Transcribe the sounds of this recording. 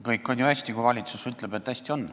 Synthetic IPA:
kɤjkːˑo̞nʲjuæsʲt̪ikujvɑlʲit̪susyt̪ˑleb̥e̞t̪ːæsʲt̪io̞n

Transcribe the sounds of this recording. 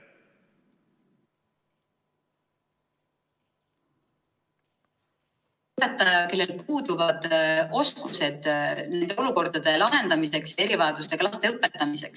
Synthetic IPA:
ɤpːe̞t̪ːˑɑjɑke̞lːe̞lpuːd̪uvɑd̪̥o̞skuse̞d̪̥ne̞nd̪̥e̞o̞luko̞rd̪̥ɑd̪̥e̞lɑɦe̞nd̪̥ɑmise̞ksjɑe̞ɾivɑed̪̥ust̪e̞klɑst̪e̞ɤpːˑe̞t̪ːˑɑmise̞̰ks

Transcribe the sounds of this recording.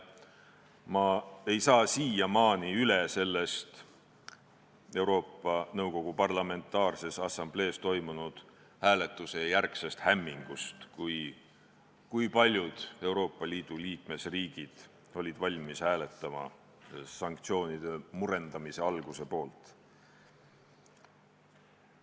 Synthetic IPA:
mɑe̞jsɑːsiːjɑmɑːniylese̞lːe̞st̪ | e̞wɾo̞ːpːˑɑnɤwko̞ɡ̥upɑrlɑme̞nt̪ːˑɑːrse̞sɑsɑmb̥le̞ːst̪o̞jmunud̪̥ | hæːle̞t̪ˑːuse̞jærkse̞st̪hæmːiŋɡ̥ust̪kuj | kujpɑlʲjud̪̥e̞wɾo̞ːpːˑɑliːd̪̥uliːk̚me̞sriːɡ̥id̪̥ | o̞lʲid̪̥vɑlʲmishæːle̞t̪ːˑɑmɑ̰ | sɑŋk̚t̪sio̞ːnid̪̥e̞muɾe̞nd̪̥ɑmise̞ɑlɡ̥use̞po̞ːlt̪ˑ

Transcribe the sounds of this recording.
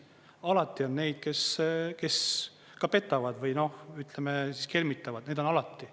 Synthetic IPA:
ɑlɑt̪ːˑio̞nne̞jd̪̥̚ke̞ske̞s | kɑpe̞t̪ːˑɑvɑd̪vɯjno̞hyt̪ˑlemesiske̞lmit̪ːˑɑvɑd̪̥ned̪o̞nɑlɑt̪ːˑi

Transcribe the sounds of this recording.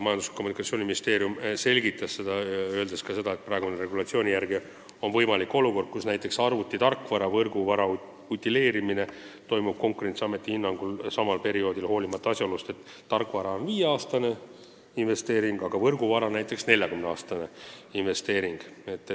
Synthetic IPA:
mɑjɑnd̪uskʰːomunikɑt̪sioːnʲiminist̪e̞ːɾjumse̞lʲɡit̪ːˑɑsːe̞d̪̥ɑø̞ːld̪eskɑse̞d̪̥ɑet̪̚prɑeɡ̥uneɾe̞ɡulɑt̪sio̞ːnʲijæɾɡ̥i | o̞nvɤjmɑlikːo̞luko̞rd̪̥̚kusnæjt̪ˑːe̞ksɑrvut̪ːˑit̪ɑrkːvɑɾɑvɤrɡuvɑɾɑ | ut̪ʲːˑile̞ːɾimine̞ | t̪o̞jmub̥̚ko̞ŋkuɾe̞nt̪siɑmːe̞t̪ːˑihinːɑŋɡ̥ulsɑmɑlpe̞ɾio̞ːd̪ilho̞ːlimɑt̪ːˑɑɑsʲjɑolust̪e̞t̪ːɑrkːˑvɑɾɑo̞nviːjeɑːst̪ɑne̞ | inve̞st̪e̞ːɾiŋɡ̥ɑɡ̥ɑvɤrɡuvɑɾɑnæjt̪ːˑe̞ksne̞lʲjɑkymneɑːst̪ɑne̞inve̞st̪e̞ːɾiŋɡ̥e̞t̪ːˑ

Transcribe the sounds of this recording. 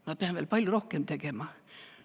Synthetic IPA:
mæpeænʋielpɑlʲjorohkemt̪ekemɑ

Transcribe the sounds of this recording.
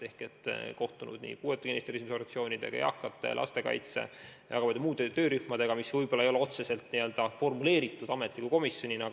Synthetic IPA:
e̞hket̪ːˑko̞ht̪unṵd̪̥nḭːpuːet̪ːˑukinist̪eɾisimsoɾɑt̪sio̞ːnʲid̪e̞̰ɡ̥ɑ̰jɑ̰kˑːɑt̪ːˑe̞̰lʔɑ̰st̪e̞kɑ̰jt̪sḛjɑ̰kɑvɑd̪emuːd̪et̪ø̞ːɾyhmɑd̪̥e̞ɡ̥ɑmisvɯjbolːɑejo̞leo̞t̪se̞se̞lt̪ːniːø̞ld̪̥ɑfo̞rmule̞ːɾit̪ːˑud̪̥ɑme̞t̪ˑlikːuko̞misjo̞nʲinɑɡ

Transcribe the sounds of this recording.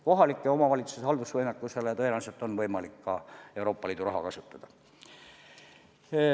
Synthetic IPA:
ko̞ɦɑlikːˑeo̞mɑvɑlʲit̪susehɑld̪usvɤjnɑkːˑuse̞lejɑt̪ɤjenɑˑset̪ːˑo̞nvɤjmɑlikːɑe̞wɾo̞ːpːˑɑliːd̪uɾɑɦɑ̰kɑsut̪ːˑɑd̪̥ɑ

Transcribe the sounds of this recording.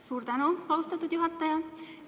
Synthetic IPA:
suːɾt̪ɑnoɑust̪ɑt̪ːut̪juɦɑt̪ːɑjɑ

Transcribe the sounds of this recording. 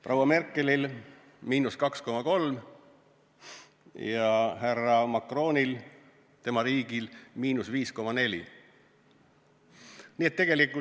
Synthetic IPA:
prʔɑwːɑme̞rkːˑe̞lil | miːnuskɑksko̞mɑko̞lm | jɑɦærɑmɑkro̞ːnʲil | t̪e̞mɑɾiːɡ̥ilmiːnusviːsko̞mɑne̞lʲḭ | niːet̪ːe̞ɡ̥elikːˑu

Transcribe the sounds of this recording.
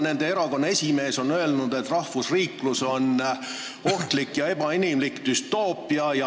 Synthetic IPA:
ne̞nd̪eeɾɑko̞nːɑe̞sʲime̞ːso̞nø̞e̞lnud̪̥e̞t̪ːˑrɑhfusriːkluso̞n | o̞ht̪likːjɑe̞b̥ɑinimlikd̪̥yst̪o̞ːpˑiɑjɑ

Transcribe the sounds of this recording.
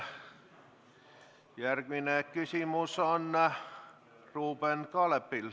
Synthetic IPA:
jærkʋinekkysymuson | ruːbenkɑlepːil

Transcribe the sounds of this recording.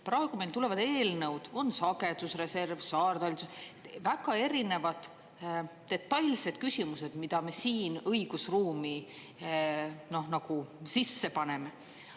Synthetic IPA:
prɑeɡ̥umelt̪ule̞vɑd̪e̞ːlnɤwd̪̥o̞nsɑɡe̞d̪usre̞se̞rvsɑːrd̪ɑlʲsusvæɡ̥ɑe̞ɾine̞vɑd̪̥ː | e̞t̪ːɑjlse̞d̪̥kysʲimuse̞d̪mid̪̥ɑme̞siːnɤjɡ̥usruːmi | no̞hnɑɡ̥usisːe̞pɑne̞me̞

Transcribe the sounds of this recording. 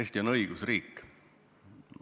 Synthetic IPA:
esʲt̪io̞nɤ̞iɡ̥usriːkː

